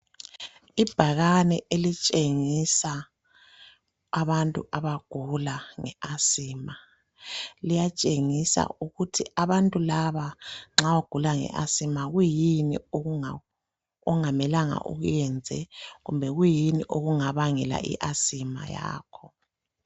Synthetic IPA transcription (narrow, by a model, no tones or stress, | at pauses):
ib̥ʱaɣanɛʔelit͡ʃʼeŋisa | βantʼuʔaβaɡ̥ʱulaŋɛʔasiːma | lijat͡ʃʼeŋisa̰uɣutʰiaβantʼulaβaŋ͡ǁawaɡ̥ʱulaŋɛ̰ʔasimaɣujini | uŋamɛlaŋa̰ʔṵɣujɛnd͡zʱɛ̰ɣumbʱɛɣujiniʔoɣuŋaβaŋɛla̰ʔḭʔasima̰ja̰ːkʰɔ